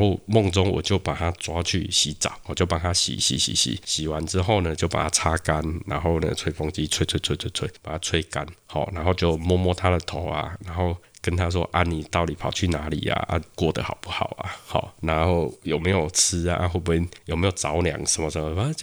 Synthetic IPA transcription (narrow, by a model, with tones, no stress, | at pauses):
o˥˧mɔ˥˧ŋt͡sɔ˦ŋwɔ̰˨˩t͡ɕjo˥˨ʊpa˨˩t̪ʰa˦t͡swa˦t͡ɕʰy̰˥˩ɕi˨˦t͡sa̰˨˩˦ʊwɔ˨˩t͡ɕjo˥˩ʊpa˨˩t̪ʰa˦ɕḭ˨˦ɕḭ˨˦ɕḭ˨˦ɕḭ˨˦ɕi˨˩wa˨˦nt͡sɻ̩˦xo˥˨ʊnə˨t͡ɕjo˥˩ʊpa̰˨˩t̪ʰa˦t͡sʰa˦ka˦nna̰˧˦nɦo˥˩ʊnə̰˦t͡sʰwe˥˧ɪfɔ˧˥ŋt͡ɕi˦t͡sʰwe˥˧ɪt͡sʰwe˥˧ɪt͡sʰwe˥˧t͡sʰe˥˧ɪt͡sʰwe˥˩ɪpa˨˩a˦t͡sʰwe˥˧ɪka˦nhɔ̰˨˩na˧˦nho˥˧ʊt͡ɕjo˥˧˨ʊmwɔ˥˧mwɔ˥˧t̪ʰa˦d̪ə˨t̪ʰo˨˦ʊa̰˨na˧˦nxo˥˩ʊkə˦nt̪ʰa˦s̬wɔ̰˦ʔa˥˧nːi˨˩t̪ɑ˥˨ʊli˨˩pʰɑ˨˩ʊt͡ɕʰy˥˩na˨˦lḭ˨˩a̰˨ʔa̰˦˧kwɔ˥˨d̪ə̰˨hɑ̰˨˩ʊpu˥˩hɑ̰˨˩ʊa̰˨˦hɔ̰˨˩na˨˧˦nho˥˩ʊjo˨ʊme˧˦jo˨ʊt͡s̩ʰ˦a̰˨ʔa̰˥˧ɦwɔ˥˧˩p̬u˧˩i˥˧˩njo˨˩me˧˥jo˨˩ʊt͡sa˨˦ʊlja̰˨˦ŋʂə˧˦nmɔ˧˩ʂə˨˦mɔ˧˦˥